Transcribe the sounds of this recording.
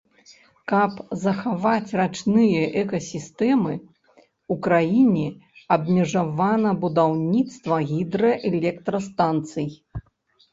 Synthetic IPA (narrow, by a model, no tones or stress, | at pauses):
kɐpzɐxavat͡sʲrat͡ʂnɨjɐʔɛkɐsʲist̪ɛmɨ | ukɾajinʲɛɐbmʲɛʐavanɐbud̪awnʲit̪st̪vɐɣʲid̪ɾɐʔɛlʲɛkt̪ɾɐst̪ant̪sɨj